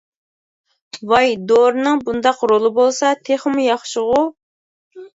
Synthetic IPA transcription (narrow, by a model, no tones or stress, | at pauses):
wɑjd̪oɾnɨŋbund̪ɑqɾolˠɨbolˠsɑt̪ʰeχmujɑχʃɪʁʊ